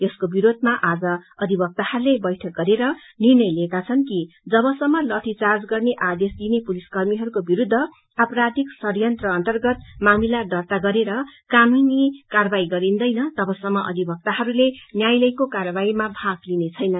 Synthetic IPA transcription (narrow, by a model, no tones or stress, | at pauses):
eskobiɾod̪ʱmaʔad͡zʌʌd̪ʱibʱʌk̚t̪ahʌɾulebʌjʈʰʌk̚ɡʌɾeɾʌ | nirnʌjlekat͡sʰʌnki | d͡zʌbʌsʌmːʌlʌʈ̪ʰit͡sard͡zɡʌrneʔad̪esd̪inepuliskʌrmiɦʌɾukobiɾud̪ʱːʌ | apʌɾad̪ʱiksʌrjʌnt̪rʌːnt̪ʌrɡʌt̪mamilaɖʌrt̪aɡʌɾeɾʌkaminikarʌbaiɡʌɾind̪ʌjnʌt̪ʌbʌsʌmːʌʔʌ̰d̪ʱibʱʌk̚t̪aɦʌɾulenjajlʌjkokarʌbaimabʱaɡlinet͡sʰʌjnʌn